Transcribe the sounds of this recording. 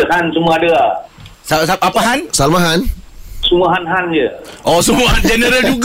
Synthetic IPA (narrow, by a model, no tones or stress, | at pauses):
əhansumuadəəsasapapaɦansalmaɦansuməɦanɦand͡ʒəʔɔsumuɦand͡ʒɛnəɾəld͡ʒuk